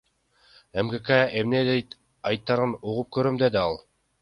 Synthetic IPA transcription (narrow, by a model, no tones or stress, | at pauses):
emɡekeemned̪ejt̪ | ɑjt̪ːɑɾɯnuʁup̚køɾømd̪ed̪ɪɑlˠ